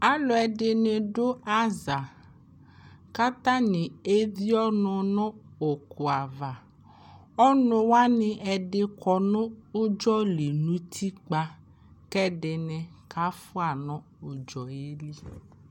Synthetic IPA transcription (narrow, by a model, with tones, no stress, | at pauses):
a˦lɔ˨ɛ˨dɪ˨nɪ˨dʊ˦a˦za˨ | ka˦t̪a˦nɪ̃˨e˦vi˦ɔ˦nʊ̃˨nɔ̃˦o˨kʊ˨a˨va˨ | ɔ˦nʊ̃˦wa˦nɪ˨ɛ˨dɪ˦kʰɔ˨nʊ̃˦ʊ˦d͡ʒɔ˦li˨nũ˦tʰi˦k͡pa˦ | kɛ˦dɪ˨nɪ˨kʰa˦fʊ˦a˨nɔ̃˦ | ʊ˨d͡ʒɔ˨je˦li˦